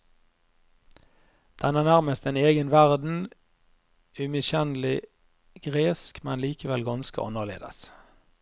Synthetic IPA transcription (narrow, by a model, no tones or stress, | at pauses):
d̪̥ɛnæːʁnæʁməst̪ɛneːɡənʋæʁd̪n̩ | ʉmɪʃɛnlɪ | ɡ̥ʁeːskmɛnliːkəʋɛlɡɑnskə̰ʔɑ̰nəʁlḛːd̪ə̰s